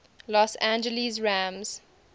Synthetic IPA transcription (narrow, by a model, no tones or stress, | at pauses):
lɔsæ̃nd͡ʒəlizɹæ̃mz̥